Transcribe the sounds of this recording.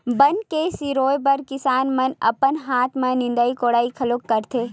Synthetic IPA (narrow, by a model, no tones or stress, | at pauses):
bɐnkesiɾoːjbɐɾkɪsaːnmɐnɐ̰pənɦaːt̪ʰmẽnɪ̃nd̪aːikoːɽaːikʰɐloːkːɐɾt̪ʰeː